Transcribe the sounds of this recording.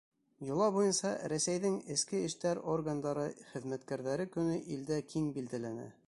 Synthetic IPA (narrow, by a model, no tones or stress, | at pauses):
jŏlˠɑβujɤnsɑɾæsæjðɘŋɘ̆skɘɘ̆ʃt̪æɾorɡand̪ɑɾɤχɘ̆ðmæt̪kæɾðæɾɘkɵ̆nɘʔild̪ækʰiŋbild̪ælænæ̰